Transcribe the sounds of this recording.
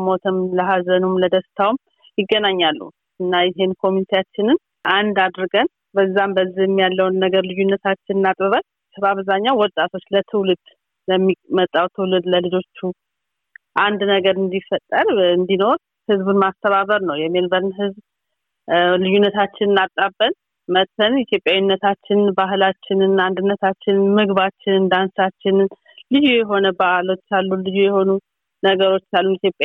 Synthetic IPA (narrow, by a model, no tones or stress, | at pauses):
mo̞t̪ʰəmləɦazənumləd̪əst̪ʰawm | jɪɡːənaɲːalːṵ | ɨnːajɛɦe̞nkʰo̞mjunit̪ʰejat͡ʃːɪnɨn | ʔand̪ad̪ɾɨɡən | bəzːambəzːijɛmːijalːəwnːəɡəɾlɨjunːət̪ʰat͡ʃːɪnɨnat̪ʼɨβət̪ʰəbaβzaɲːawɔt̪ʼːat̪ʰo̞t͡ʃːlət̪ʰɨwlɨd̪̥ | ləmːimət̪ʼːawt̪ʰɨwlɨd̪ləlɨd͡ʒo̞t͡ʃːu | ʔand̪nəɡəɾɨnd̪ifət̪ʼːəɾɨnd̪ino̞ɾ | hɨzbɨnmast̪ʰəβaβəɾnəwjɛmelbəɾnɦɨzb | lɨjːunːət̪ʰat͡ʃːɪnɨnat̪ʼabːən | mət̪ʰːənɛt̪ʰjo̞pʼjawinːət̪ʰat͡ʃːɪnbaɦlat͡ʃːɪnɨnand̪ɨnːət̪ʰat͡ʃːɪnmɨɡβat͡ʃːɪnɨnd̪ansat͡ʃːɪn | lɨjujɛɦo̞nəbahlo̞t͡ʃːalːulɨjujɛho̞nu | nəɡəɾo̞t͡ʃːalːunit̪jo̞pʼːa